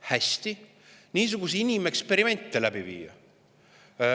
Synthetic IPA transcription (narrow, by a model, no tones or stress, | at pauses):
hæsʲt̪i | niːs̬uɡ̥us̬einʲime̞kspe̞ɾime̞nʲt̪ˑːelæb̥ivḭːjɑ̰